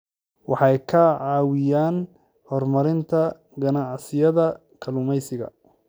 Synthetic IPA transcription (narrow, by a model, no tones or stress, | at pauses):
wɑħɑjkʰɐʕɑːwɪjaːn | hɔrmɐɾɪnt̪ʰɐ | ɡɐnɑʕsɪjɐðɐ | kʰɐlʊmɛjsɪɣɐ̰